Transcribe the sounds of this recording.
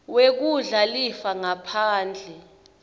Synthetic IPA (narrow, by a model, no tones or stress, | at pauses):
wek̬uɮalifaŋapʰaːnd͡ɮʱɛ